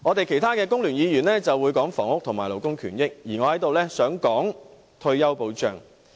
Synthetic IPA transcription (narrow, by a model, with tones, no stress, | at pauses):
ŋɔː˨˧t̪e˨jkʰe˨˩jt̪ʰaː˥kɛː˧kʊ˥ŋlyː˨˩njiː˨˧jyː˨˩nlɛː˥t͡sɐ˨wuː˨˧jkɔː˨˥ŋfɔː˨˩ŋʊ˥k̚t̪ʰʊ˨˩ŋmaː˨˩lo˨˩wkʊ˥ŋkʰyː˨˩njɪ˥k̚jiː˨˩ŋɔː˨˧hɐ˨˥jt̪o˨wlɛː˥sœː˨˥ŋkɔː˨˥ŋ | t̪ʰɵ˧ɥjɐ˥wpo˧wt͡ʃœ̰ː˨ŋ